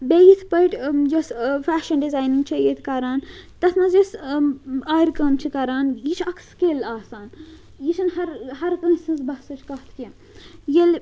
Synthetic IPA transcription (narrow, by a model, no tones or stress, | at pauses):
bejit̪ʰpɐjʈd͡ʒɐsfæːʃɐnɖizaːjniŋɡt͡ʃʰɐjet̪ʰkɐɾaːnt̪ɐsnɐd͡ʒɐs | aːjɾkɐmt͡ʃʰikɐɾaːnjit͡ʃʰɐkʰskeːlaːsaːn | jit͡ʃʰɐnɦɐɾhɐɾkɐnsɨzbɐsɐt͡ʃʰkɐɦt̪ʰki | jel